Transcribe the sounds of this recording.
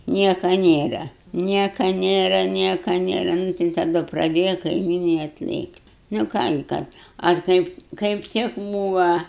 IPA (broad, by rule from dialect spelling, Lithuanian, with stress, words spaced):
ˈnʲiɛkɐ ˈnʲeːrɐ ˈnʲiɛkɐ ˈnʲeːrɐ ˈnʲiɛkɐ ˈnʲeːrɐ ˈnʊ tɐɪ tɐˈdʊ prɐˈdʲeːjɛ kɐɪˈmʲiːnɐɪ ɐtʲˈlʲeːktʲ nʊ ˈkɑː ɡʲɪ ˈkɐt ɐr ˈkɐɪp kɐɪp ˈtʲɪk ˈbuːʋɐ